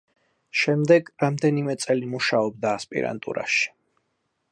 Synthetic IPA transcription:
ʃɛmd̪ɛɡɾamd̪ɛnimɛt̪sʼɛlimuʃaɔb̚d̪aːspʼḭɾa̰nt̪ʼṵɾa̰ʃi̥

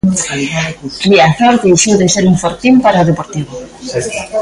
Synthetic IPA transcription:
liaθoɾt̪eʃuðeseɾuɱfoɾt̪impaɾaoðepoɾt̪iβo

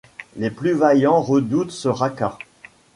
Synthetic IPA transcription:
leplyvajɑ̃ʁəd̪ut̪səʁaka

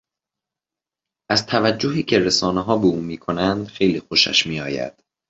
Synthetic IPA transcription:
ʔæzt̪ʰævæd͡ʒːoɦiːcʰe̞ɾesɒːneɦɒːbeuːmiːkʰo̞nænd̪̥xejliːxoʃæ̰ʃmiːɒːjæ̰d̪̥

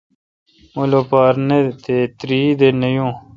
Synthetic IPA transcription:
molopaːɾnet̪et̪ɾiːd̪enejõː

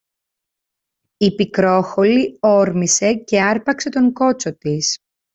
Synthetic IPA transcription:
ipikɾo̞xo̞lio̞ɾmise̞ce̞ɐɾpɐkse̞t̪o̞ŋko̞t͡so̞t̪is

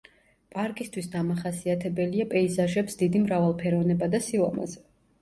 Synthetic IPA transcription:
pʼaɾkʼist̪ʰwisd̪amaχasiat̪ʰɛbɛliapʼɛizaʒɛpsd̪id̪imɾavalˠpʰɛɾɔvnɛbad̪asilˠɔ̰ma̰zɛ

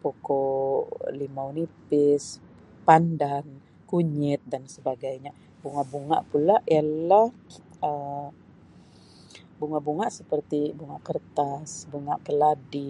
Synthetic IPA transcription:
poko | limaunipɪs | pandaŋ | kuɲɪt̪̚dansəbaɡajɲa | buŋaʔbuŋa̰ʔpulajalahə | buŋaʔbuŋaʔsəpərt̪ibuŋaʔkərt̪asbuŋaʔkəladi

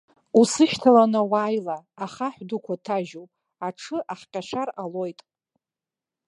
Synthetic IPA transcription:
usɨʃtʰalanawaːjlaːχaħʷᶣdukʷʰatʰaʒopʼ | aʈ͡ʂʰɨʔaħqʲʼaʃaralo̞jtʼ

